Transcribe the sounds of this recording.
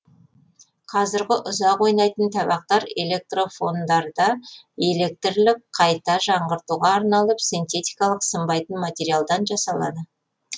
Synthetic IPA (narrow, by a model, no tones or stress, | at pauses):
qʰɑzɪɾɡʲɪʔʊzɑqwo̞jnɑjt̪ənt̪ʰɑbɑq̚t̪ɑɾe̞̰le̞k̚t̪ro̞fo̞nd̪ɑɾd̪ɑ | e̞le̞k̚t̪ɪɾlɪk̚qʰɑjt̪ɑʒɑɴʁəɾt̪uʁɑːɾnɑlˠəpsijnt̪e̞t̪ijkɑlˠəqsəmbɑjt̪ənmat̪ʲe̞ɾijalˠd̪ɑnʒɑsɑlˠɑ̰d̪ə